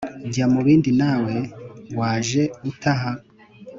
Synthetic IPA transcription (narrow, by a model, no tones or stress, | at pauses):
ɟamuβiːndinaːwe̞waːʒe̞utʰaɦa